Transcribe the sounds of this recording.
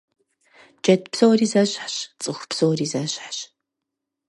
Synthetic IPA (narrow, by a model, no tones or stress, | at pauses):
d͡ʒɐtʰpsoːriːzɐɕħɕt͡sʼɨxpsoːriːzɐɕʼħɕ